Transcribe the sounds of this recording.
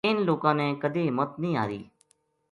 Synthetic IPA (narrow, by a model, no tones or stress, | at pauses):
ɪnloːkãːnɛ̃ːkəd̪eːɦɪmət̪nəĩːa̰ːɾḭː